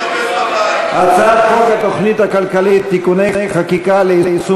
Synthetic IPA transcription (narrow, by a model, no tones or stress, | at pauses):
at͡saːqoŋɡat̪oχnɪt̪akalkaleːt̪ɪkʊnajjqɑkɪkaːlejsʊ